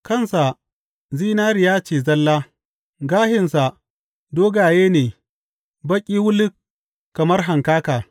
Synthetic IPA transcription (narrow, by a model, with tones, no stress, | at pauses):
kɐ˦˨nsa˨ | ziː˦naː˦ɾɪ˨jaː˦t͡ʃeː˨zɐ˦lːaː˦ | ɡaː˦hɪ˨nsa˨ | doː˦ɡaː˨jeː˦neː˨ | bɐ˦kʲʼiː˦wʊ˦lɪ˦k | kːɐ˨mɐ˦rɦa˨ŋkaː˦kaː˨